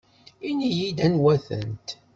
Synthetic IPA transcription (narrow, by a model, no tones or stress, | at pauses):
inijid̪ænwæθə̰nt̪